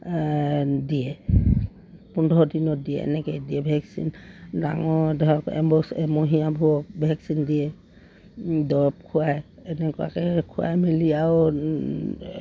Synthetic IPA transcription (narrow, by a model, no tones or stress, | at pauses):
dijɛ | pundʱɔdinɔdijɛ̰ɛ̰nɛkɛdiɛbʱɛksḭnda̰ŋɔdakɛ̰mbɔsɛmoɦijabʱuɔkbʱɛksindiɛ | dɔɹɔp̚kʰʊajɛnɛkɔa̰kɛkʰʊa̰jmiliaw